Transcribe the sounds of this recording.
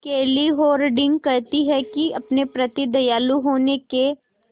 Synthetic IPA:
keːliɦoːɾɖɪ̃ŋɡ̚kɐɾt̪iɦɛkiɐpnepɾɐt̪id̪ɐjaːluɦoːneke

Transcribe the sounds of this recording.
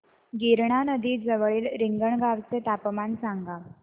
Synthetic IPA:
ɡiɾɳanəd̪iːd͡zəʋɭiːlɾiŋɡəɳɡaʋt͡set̪apmansaŋɡa

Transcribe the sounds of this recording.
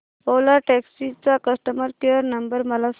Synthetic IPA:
polaʈeksit͡sakəsʈəməɾkeəɾnɐmbəɾmɐlas

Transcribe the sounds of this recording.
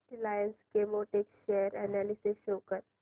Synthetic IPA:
ʈilajənskemoʈekʃeəɾɛnɛlisiʃoːkəɾ

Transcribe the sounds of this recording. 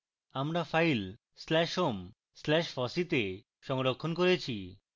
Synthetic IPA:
amɾafajl | slɛʃom | slɛʃfɔsit̪e | ʃɔŋɾokʰːonkoɾet͡ɕʰi

